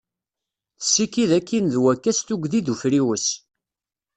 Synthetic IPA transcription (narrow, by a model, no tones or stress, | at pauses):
θsːikiðækːinðwækːæst̪uɡʷðiðufɾiwəs